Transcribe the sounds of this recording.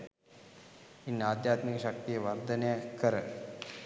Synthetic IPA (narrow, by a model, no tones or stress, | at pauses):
inːaːd̪jaːt̪mikəʃak̚t̪ijəʋɐrd̪ənejakːəɾə